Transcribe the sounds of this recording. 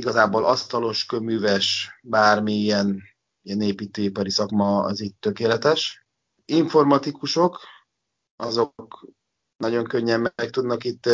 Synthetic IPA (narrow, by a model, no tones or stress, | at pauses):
iɡɒzaːboːlɒst̪ɒlo̞ʃkømyːvɛʃbaːrmiijɛn | ijɛneːpiːt̪øːipɒɾisɒkmɒɒ̰zitt̪ø̞keːlɛt̪ɛʃ | iɱfo̞rmɒt̪ikuʃo̞k | ɒzo̞k | nɒɟo̞ŋkø̞ɲːɛmːɛk̚t̪ud̪nɒkit̪ː